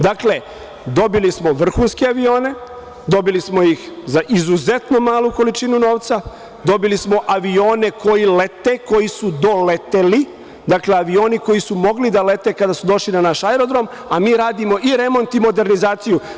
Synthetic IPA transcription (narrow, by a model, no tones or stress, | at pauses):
d̪akle̞ | d̪o̞bilismo̞ʋr̩xuːnske̞aʋio̞ːne̞ | d̪o̞bilismo̞jixzaʔizuze̞t̪no̞maːlˠuko̞lit͡ʃinuno̞ːʋt̪sa | d̪o̞bilismo̞ʔaʋio̞ːne̞ko̞jile̞t̪eko̞jisud̪o̞le̞t̪eli | d̪akle̞aʋio̞ːniko̞jisumo̞ɡlid̪alet̪e̞kad̪asud̪o̞ʃlinanaʃaeɾo̞d̪ɾo̞m | amiːɾaːd̪imo̞ʔiɾe̞mo̞nt̪imo̞d̪e̞ɾnizaːt̪siju